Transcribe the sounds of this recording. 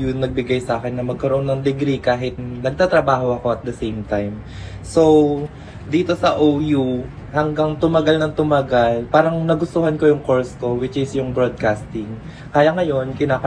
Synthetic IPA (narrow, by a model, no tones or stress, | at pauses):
jʊŋnɐɡ̚bɪɡajsɐʔaːkɛnːɐmɐɡ̚kɐɾoʔo̞nːɐŋd̪ɪɡɾikaːɦɪt̪̚nɐɡ̚t̪aːt̪ɾɐbaːɦo̞ɐko̞ɐt̪̚d̪ɐsejmt̪ajm | so̞w | d̪iːt̪o̞sɐʔowju | hɐŋɡɐŋt̪ʊmɐɡalnɐŋt̪ʊmɐɡalpaːɾɐŋnɐɡʊst̪ʊhɐnko̞jʊŋko̞ɹsko̞wɪt͡ʃɪsjʊŋbɾod̪̚kast̪ɪŋ | kaːjɐŋɐjo̞nkɪnaːkɐ